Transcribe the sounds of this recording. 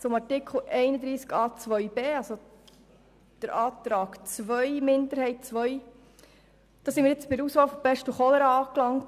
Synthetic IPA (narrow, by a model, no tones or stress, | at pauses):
t͡sʊmɑɾtɪkχl̩ˠʔɛɪnəd̪ɾiːskɑːt͡sʋœʏb̥eːɑlso | d̥əɾʔɑːtɾɑːɡt͡sʋœjmɪndəɾhɛɪt̚t͡sʋœj | d̥ɑːsɪnmɪːɾet͡sbɪdəɾuːsfɑːlfob̥ɛʃtəχɔləɾəɑːklɑŋt